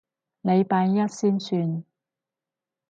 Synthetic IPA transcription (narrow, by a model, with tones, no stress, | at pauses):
ne˨˧jpaː˧njɐ˥t̚siː˥nsyː˧n